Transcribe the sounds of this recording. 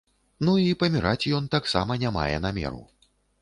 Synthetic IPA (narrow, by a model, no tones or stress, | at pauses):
nuipɐmʲiɾat͡sʲjɔnt̪aksa̰mɐnʲama̰jɛ̰n̪amʲɛ̰ɾṵ